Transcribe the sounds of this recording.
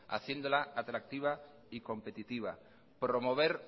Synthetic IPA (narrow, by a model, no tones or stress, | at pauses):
a̰θje̞nd̪olaat̪ɾak̚t̪iβ̞a | ikõ̞mpe̞t̪it̪iβa̰ | pɾomoβ̞e̞ɾ